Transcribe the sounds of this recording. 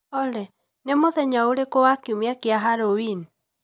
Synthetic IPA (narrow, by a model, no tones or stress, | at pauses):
ɔlɛ | nemoðɛɲaoɾekɔwakiomjakeaɦaɾowin